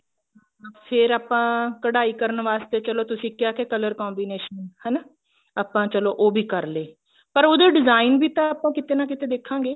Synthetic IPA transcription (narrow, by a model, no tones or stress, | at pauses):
pʰɪɾaːpãːkəɽaːiːkəɾənʋaːst̪eːt͡ʃəloːt̪ʊsĩːkɪjaːkeːkələɾkɔːmbiːneːʃənhəna | aːpãːt͡ʃəloːʔoːbʱiːkəɾleː | pəɾoːd̪eːɖɪzaːinbiːt̪ãaːpãːkɪt̪eːnaːkɪt̪eːd̪eːkʰãːŋɡeː